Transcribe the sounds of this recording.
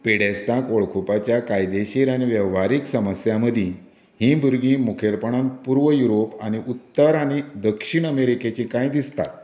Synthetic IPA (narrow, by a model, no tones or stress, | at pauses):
peɽest̪ãkoɭkʰupat͡ɕjakajd̪eɕiɾaɽ̃iʋjəʋʋaɾiksəməsjaməd̪ʱĩː | hĩːbʱuɾɡĩːmukʰeɾpəɳãnpuɾʋəjuɾopaɽ̃iʔut̪ːəɾaɽ̃id̪əkʂiɳəmeɾiket͡ɕĩkãjd̪ist̪a̰t̪